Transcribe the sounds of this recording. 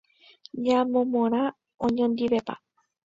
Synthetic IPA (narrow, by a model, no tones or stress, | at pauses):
ɲãmõmõɾ̃ã | õɲõnd̪iβepa̰